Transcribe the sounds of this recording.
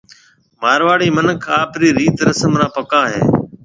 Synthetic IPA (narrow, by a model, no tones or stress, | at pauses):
maːɾʋaːɽiːmənəkʰaːpɾiːɾiːt̪ɾəsəmɾãːpəkãːɦḛː